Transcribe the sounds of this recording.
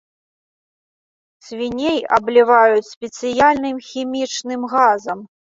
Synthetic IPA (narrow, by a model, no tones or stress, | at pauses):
sʲvʲinʲejɐ̰blʲivajut͡sʲsʲpʲɛt̪sɨjalʲnɨmxʲimʲit͡ʂnɨmɣazɐm